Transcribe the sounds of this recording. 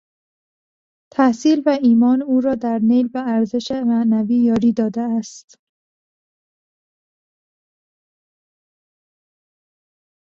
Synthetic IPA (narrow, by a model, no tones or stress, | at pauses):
t̪ʰæhsiːlvæiːmɒːnuːɾɒːd̪æɾnejlbeæɾze̞ʃemæʔnæviːjɒːɾiːd̪ɒːd̪eæst̪